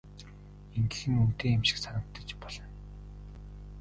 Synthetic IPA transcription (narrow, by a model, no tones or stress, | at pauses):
eŋɡɘ̆xɘ̆ŋun̥t̪eːemʃɪ̥̆ksanə̆kt̪ːə̆t͡ɕpɔɮ̥ɞ̆n